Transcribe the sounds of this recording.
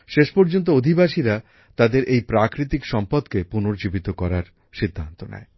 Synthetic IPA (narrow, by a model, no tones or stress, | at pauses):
ʃeʃpɔɾd͡ʑont̪̬ood̪ʱibaʃiɾa | t̪ad̪eɾʔejpɾakɾit̪ikʃɔmpad̪kepunoɾd͡ʑibit̪okɔɾaɾ | ʃid̪ʱːant̪onɛ̰e